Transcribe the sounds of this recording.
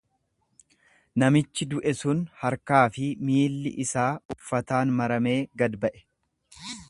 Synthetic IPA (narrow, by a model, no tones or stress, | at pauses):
nɐmɪt͡ʃːɪd̪ʊʔɛsʊnhɐɾkaːfɪmiːlːɪ̰ʔɪsaːʊfːɐt̪aːnmɐɾɐme̞ːɡɐd̪bɐʔɛ̥